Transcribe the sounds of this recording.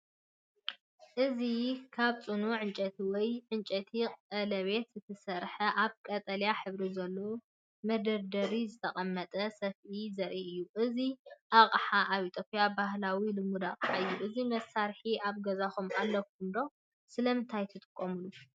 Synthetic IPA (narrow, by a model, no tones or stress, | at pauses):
ʔɨzikʰaβt͡sʼɨnuʕɨnt͡ʃʼɐt̪ʰiwɔjʕɨnt͡ʃʼɐt̪ʰiqʼɐlɐβe̞t̪zɨt̪ʰɐsɐɾħɐʔaβkʼɐt̪ʼɐljaħɨβɾizɐlːo | mɐd̪ɐɾd̪ɐɾizɨt̪ʰɐχʼɐmːɐt̪ʼɐsɐfʔizɐɾʔiʔɨjːuʔɨziʔaqʼħaʔaβit̪ʰʼopʼjabahlawilɨmud̪akʼħaɨjːuʔɨzimɐsaɾħiaβɡɐzaxumalːɐkund̪o̞ | sɨlɐmɨnt̪ʰajt̪ʰɨt̪ʼɨ̥kʼːomɨlu